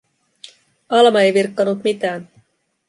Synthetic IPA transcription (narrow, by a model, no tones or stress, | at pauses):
ɑlmɑejʋirkːɑnut̪mit̪æːn